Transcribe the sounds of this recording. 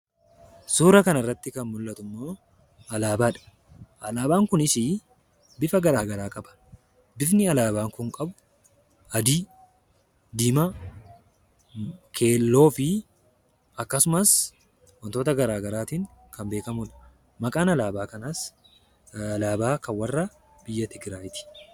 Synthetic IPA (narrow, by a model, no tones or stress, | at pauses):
suːɾɐkɐnɐɪrːɐt̪ːɪkɐnmʊlːɐt̪ʊmːo̞ː | ɐlaːbaːᶑɐ̥ | ʔɐlaːbaːŋkʊnɪsɪ | bɪfɐɡɐɾaːɡɐɾaːkʼɐbɐ̥ | bɪfnɪɐlaːbaːŋkʊŋkʼɐbʊ | ɐd̪iː | d̪ɪmɐ | kʰe̞ːlːo̞ːfɪ | ɐkːɐsʊmɐs | wɐnt̪o̞ːt̪ɐɡɐɾaːɡɐɾaːt̪iːŋ | kɐmbe̞ːkɐmʊᶑɐ̥ | mɐkʼaːnɐlaːbaːkɐnas | ɐlaːbaːkɐnwɐrːɐ | b̥ɪjːɐt̪ɪɡɾaːjt̪ɪ̥